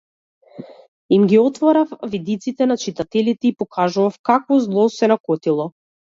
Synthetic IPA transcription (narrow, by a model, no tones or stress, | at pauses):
imɡiɔt̪vɔɾafvid̪it̪sit̪ɛnat͡ʃit̪at̪ɛlit̪ɛipɔkʰaʒuvafkakvɔzlˠɔsɛnakɔt̪ilˠɔ